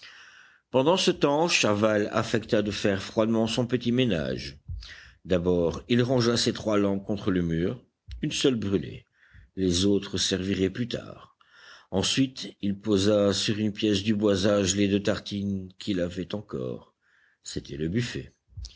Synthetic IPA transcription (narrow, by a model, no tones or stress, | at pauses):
pɑ̃d̪ɑ̃sət̪ɑ̃ʃavala̰fɛkt̪ad̪əfɛʁfχwad̪mɑ̃sɔ̃pət̪imena̰ʒ | d̪abɔʁilʁɑ̃ʒaset̪χwalɑ̃kɔ̃t̪χələmyːʁ | ynsœlbʁylḛ | lezot̪χəsɛʁviʁɛplyt̪ʰa̰ʁ | ɑ̃sɥit̪ilpozasyʁynpjɛsd̪ybwazaʒled̪øt̪aʁt̪inkʰʲilavɛt̪ɑ̃kɔ̰ːʁ | set̪ʰɛləbyfɛ̰